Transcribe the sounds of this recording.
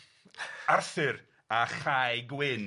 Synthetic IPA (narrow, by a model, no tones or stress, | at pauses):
arθɨɾ | aχajɡwɪn